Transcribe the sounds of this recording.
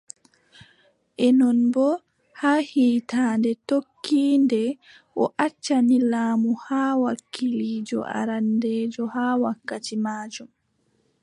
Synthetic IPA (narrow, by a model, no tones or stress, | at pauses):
ʔɛnɔnbɔ | haːhiːtaːndɛtokːiːndɛ | ʔɔ̰ʔat͡ʃːanilaːmuhaːwakːiliːd͡ʒɔ̰ʔa̰ɾandɛːd͡ʒɔhaːwakːatimaːd͡ʒum